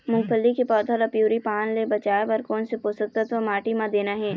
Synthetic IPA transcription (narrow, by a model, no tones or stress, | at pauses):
mʊ̃ɡpʰəlːikepɔːd̪ʰʱəlɐpjuːɾipaːnlebɐt͡ʃaːepɐɾkɔːnsepoːsək̚t̪ət̪ʋəmaːʈimãd̪eːnaɦɛː